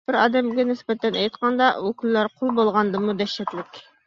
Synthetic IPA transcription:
b̥ɪɾɑ̰ːd̪ɛmɡʲɛnɪsbɛt̪ɛnɛjt̪qɑnd̪ɑukʲylːɑɾqʰolˠbolˠʁɑnd̪ɨmud̪ɛʃːɛt̪lɪkʲ

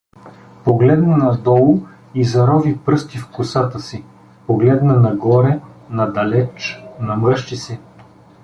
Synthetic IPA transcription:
poɡlɛd̪nɐnɐd̪ɔlˠʊ | izɐɾɔvipɾɤst̪ifkʊsat̪əsi | poɡlɛd̪nɐnɐɡɔɾɛnɐd̪ɐlɛt͡ʃnɐmɤʃt͡ʃisɛ

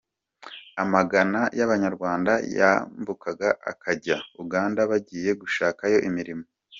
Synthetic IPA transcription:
amaɡanajaβaɲaɾɡwaːndaja̰mbukaɡaʔa̰kʰaɟauɡaːndaβaɟiːje̞ɡuʃaːkajo̞ʔimiɾimo

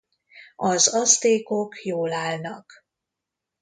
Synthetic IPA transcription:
ɒzɒst̪eːko̞kjoːlaːlnɒk

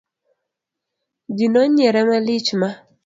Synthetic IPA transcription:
d͡ʒinɔɲɛɾɛmalɪt͡ʃma

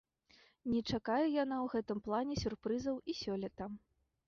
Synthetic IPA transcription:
nʲɛt͡ʂakajɛjan̪awɣɛt̪ɨmplˠanʲɛsʲurpɾɨzɐwisʲɔlʲɛt̪ɐ

